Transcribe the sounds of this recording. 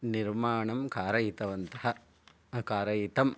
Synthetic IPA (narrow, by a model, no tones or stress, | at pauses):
niɾmaːɳɐmkaːɾɐjit̪ɐʋɐnt̪ɐɦɐ | kaːɾɐjit̪ɐm